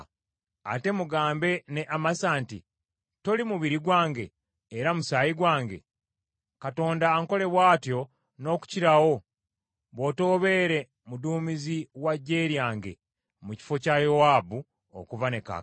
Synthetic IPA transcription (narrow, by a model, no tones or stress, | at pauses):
a̰te̞muɡaːmbe̞neʔamasaːnti | to̞limuβiɾiɡwaːŋɡe̞ː | ɾamusajiɡwaːŋɡe̞̰ | kato̞ːndaːŋko̞le̞βwaːtjo̞ | no̞ːku̥ciɾawo̞ | βo̞to̞ːβe̞ːɾe̞ | muduːmiziwaɟːe̞ːɾjaːŋɡe̞̰ | muci̥fo̞cajowaːbu | o̰kuvane̞ka̰